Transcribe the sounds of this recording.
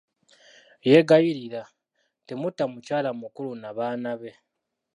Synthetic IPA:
je̞ɡajiɾiɾa | temutːamucaːlamukulunaβaːnaβe̞

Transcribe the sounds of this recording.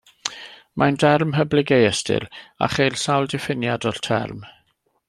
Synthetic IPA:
mʔandɛrmɦəblɪɡejɛstʰɪ̰la̰χejlsawlˠdɪfɪnjadɔrtʰɛ̰rm

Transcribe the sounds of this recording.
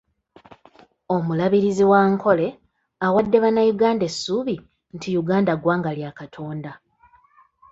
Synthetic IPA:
o̞mulaβiɾiziwaːŋkʰo̞le̞ | awadːe̞βanːajuɡaːnde̞sːuβi | ntʰijuɡaːndaɡwaːŋɡaljakatʰo̞ːnda

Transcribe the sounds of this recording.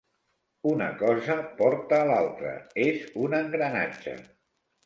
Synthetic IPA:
unə̰kɔzəpɔɾt̪əːlalˠt̪ɾə̰ezunəŋɡɾəna̰d͡ʒə̰

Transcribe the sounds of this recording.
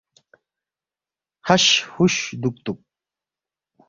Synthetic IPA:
haʃhʊʃd̪ʊk̚t̪ʊk̚

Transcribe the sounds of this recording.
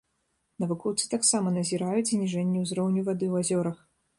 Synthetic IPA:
nɐvukɔwt̪sɨ̥t̪aksamɐnɐzʲiɾajut͡sʲznʲiʐɛnʲːɛwzɾɔwnʲuvad̪ɨwazʲɔɾɐx

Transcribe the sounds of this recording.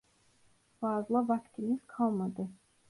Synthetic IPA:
b̥aːzlˠavakt̪ʰiniz̥kʰɑlˠmad̪ɯ

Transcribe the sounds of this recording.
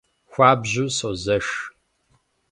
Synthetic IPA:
xʷaːbʑuːsoːzɐʂ

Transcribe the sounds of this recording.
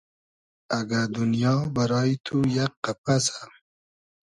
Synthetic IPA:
aɡad̪unjɑːbaɾɑːit̪ʰujaqːapasḁ

